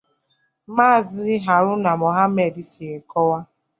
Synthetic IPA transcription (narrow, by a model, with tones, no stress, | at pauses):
maː˦˨zɪ˦ɦa˨ɾʊ˦na˨mɔ˨ɦa˦me˨di˦si˨e˨kɔ˦wa˦